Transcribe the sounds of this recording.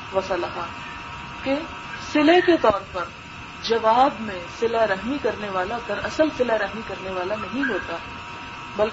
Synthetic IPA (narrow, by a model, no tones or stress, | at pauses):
ʋɐsalɐɦa | ke | sɪleket̪ɔːɾpɐɾ | d͡ʒɐʋaːbmẽsɪlaɾɐɦmikɐɾneʋaːlad̪ɐɾɐsəlsɪlaɾɐɦmikɐɾneʋaːlanɐɦĩɦoːt̪aː | bɐl